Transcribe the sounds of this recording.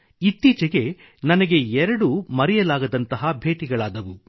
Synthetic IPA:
it̪ːiːt͡ʃɐɡe̞ | nɐnɐɡe̞ɛɾɐɽumɐɾɛjɐlaːɡɐd̪ɐnt̪ɐɦɐbʱe̞ːʈiɡɐɭaːd̪ɐʋu

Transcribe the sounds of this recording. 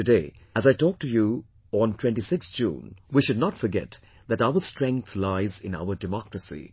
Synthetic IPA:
tɨdeɪ | æzaɪtɔk̚tuju | ə̃ntʰw̥ɛ̃ntisɪksd͡ʒṵ̃ːnwiʃʊdⁿnɔtfɔɾɡɛ̰t | ðætaʊəstɹɛ̃ŋk̚t̪ʰlaɪzɪ̃na̰ʊəɾdɪmɔkɹəsḭ

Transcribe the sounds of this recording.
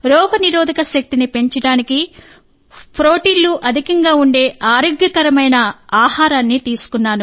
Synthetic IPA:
ɾɔːpɐniɾɔːd̪ʱɐkɐʃɐk̚t̪inipe̞ɲt͡ʃɐɽaːniki | pʰɾoːʈiːnluʔɐd̪ʱikɐŋɡaːuɳɖe̞ːʔaːɾoːɡjɐkɐɾɐmɐjnɐaːhaːɾaːnːit̪iːsu̥kunːaːnu

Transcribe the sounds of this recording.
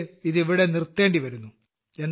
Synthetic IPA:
iðiʋiɽe̞nirt̪ːe̞ːɳɖiʋɐɾunːu | e̞nː

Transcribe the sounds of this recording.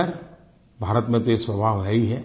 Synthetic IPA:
əɾ | bʱaːɾət̪mẽt̪eswɐbʱaʋɾaiɦɛ

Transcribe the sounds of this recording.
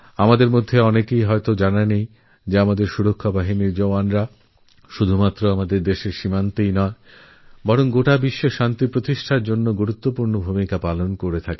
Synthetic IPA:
amad̪eɾmod̪ʱːeɔnekejɦɔet̪od͡ʑananej | d͡ʑeamad̪eɾʃuɾokʰːabaɦiniɾd͡ʑoanɾa | ʃud̪ʱumat̪ːɾoamad̪eɾd̪eʃeʃimant̪ejnɔe | bɔɾoŋɡoʈabiʃːoʃant̪ipɾot̪iʃʈʰaɾd͡ʑonːoɡuɾut̪ːopuɾnobʱumikapalonkoɾet̪ʰake

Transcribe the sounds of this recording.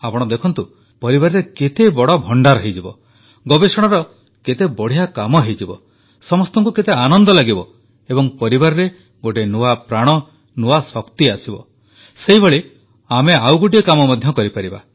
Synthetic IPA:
apɔɽ̃ɔd̪ekʰɔnt̪u | pɔɾibaɾɔɾeket̪ebɔɽɔbʱɔɳɖaɾɔɦed͡ʒibɔ̰ | ɡɔbesɔɽ̃aɾɔ | ket̪ebɔɽ̤ijakamɔɦejd͡ʒibɔ̰ | sɔmɔst̪ɔŋkuket̪eanɔnd̪ɔlaɡibɔ | ebɔŋpɔɾibaɾɔɾe | ɡoʈenuapɾaɽ̃ɔ | nuasɔkt̪iasibɔ | seibʱɔɭi | ameawɡoʈ̬iɔkamɔmad̪ʱjɔkɔɾipaɾiba̰

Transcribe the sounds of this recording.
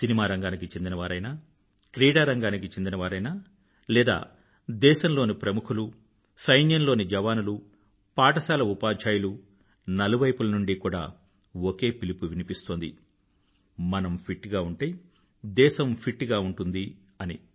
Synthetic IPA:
sinimaːɾɐŋɡaːnikit͡ʃe̞nd̪inɐʋaːɾɐjnaː | kɾiːɽaːɾɐŋɡaːnikit͡ʃend̪inɐʋaːɾɐjnaː | lɛːd̪a̰ː | d̪ɛːʃɐmlo̞ːnipɾɐmukʰulu | sɐjnjɐnloːnid͡ʒɐʋaːnulu | paːʈɐsaːlɐupaːd͡ʒʱaːjulu | nɐluʋɐjpulɐnuɳɖikuːɽa̰ː | oke̞ːpilipuʋinipist̪o̞ːnd̪ḭ | mɐnɐmpʰiʈːɡaːuɳʈeː | d̪ɛːʃɐmpʰiʈːɡaːuɳʈund̪i | ɐnḭ

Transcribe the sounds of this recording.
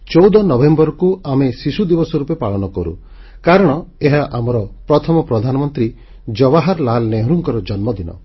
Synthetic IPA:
t͡ʃɔwd̪ɔnɔbembɔɾɔkuamesisud̪ibɔsɔɾupepaɭɔnɔkɔɾṵ | kaɾɔɽ̃ɔeɦaʔamɔɾɔpɾɔt̪ʰɔmɔpɾɔd̪ʱanɔmɔnt̪ɾi | d͡ʒɔbaɦaɾlalneɦɾuŋkɔɾɔd͡ʒɔnmɔd̪inɔ̰

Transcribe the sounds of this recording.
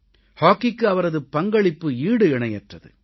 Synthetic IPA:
haːkːɪkːɯɐʋɐɾɐðɯpɐŋɡɐɭɪpːɯiːɽɯɪɳɐjɛʈrɐðɯ̰

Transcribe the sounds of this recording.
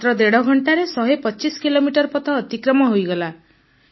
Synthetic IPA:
t̪ɾɔd̪eɽɔɡʱɔɳʈaɾesɔɦepɔt͡ʃiskilomiʈɔɾpɔt̪ʰɔːt̪ikɾɔmɔɦojɡɔla

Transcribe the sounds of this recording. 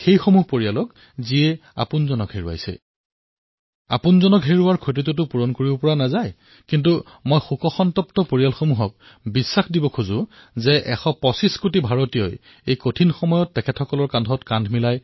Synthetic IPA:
xejxomuɦpoɹialɔk | ziɛa̰punzɔnɔkɦeɹua̰jsɛ̰ | a̰punzɔnɔkɦeɹuaɹkʰot̬it̬ut̬ʊpuɹɔnkoɹibɔpɔɹanazaj | kint̬u | mojxukɔxɔntɔp̚tɔpoɹialxomuɦɔk̚ | bisːaxdibɔkʰuzʊzɛʔɛxɔpɔsiskutibʱaɹotijɔj | ejkotʰinxɔmɔjɔtːɛkʰɛtʰɔkɔlɔɹkandʱɔtkandʱmilaj

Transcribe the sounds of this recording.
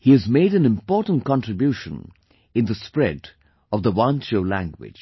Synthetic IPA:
hiɨzmeɪɾæ̃nɨ̃mpɔɹtn̩tkɑ̃ntɹ̥ɨbjuʃə̃n | ɨ̃nd̪əspɹɛd | ʌvðəwɑ̃nt͡ʃoʊlæ̰̃ŋɡwɪ̰̥d͡ʒ̥

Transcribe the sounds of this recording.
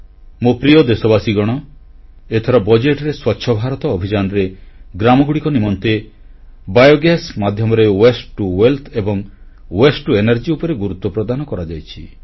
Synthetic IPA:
mopɾijod̪esɔbasiɡɔɽ̃ɔ | et̪ʰɔɾɔbɔd͡ʒeʈɾeswɔtːʃʰɔbʱaɾɔt̪ɔːbʱid͡ʒanɔɾeɡɾamɔɡuɽikɔnimɔnt̪e | bajoɡasmad̪ʱjɔmɔɾewesʈuwelt̪ʰebɔŋ | wesʈuenaɾd͡ʒiupɔɾeɡuɾut̪wɔpɾɔd̪anɔkɔɾad͡ʒajt͡ʃʰi

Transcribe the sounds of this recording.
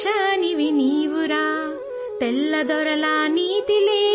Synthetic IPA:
ʃaniʋiniːʋuɾaː | t̪ɛlːɐd̪ɔɾɐlaːniːt̪ileː

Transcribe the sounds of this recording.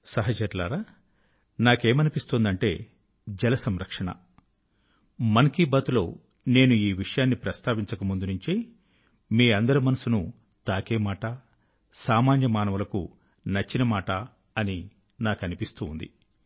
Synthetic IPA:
sɐɦɐd͡ʒɐɾla̰ːɾaː | naːke̞ːmɐnipist̪oːnd̪ɐɳʈe̞ː | d͡ʒɛlɐsɐmɾɐkʂɐɳɐ̰ | mɐnkibɐt̪ulo̞ː | ne̞ːnuiːʋiʂɐjaːnːipɾɐst̪ʰaːʋiɲt͡ʃɐkɐmund̪unuɲt͡ʃi | miːɐnd̪ɐɾimɐnɐsunu | t̪aːkeːmaːʈɐ | saːmaːnjɐmaːnɐʋɐlɐkṵ | nɐt͡ʃːinɐmaːʈɐː | ni | naːkɐnipist̪uːnd̪ḭ

